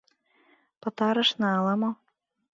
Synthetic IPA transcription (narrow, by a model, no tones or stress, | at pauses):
pɤ̆t̪ɑɾɤ̆ʃnɑɑlɑmo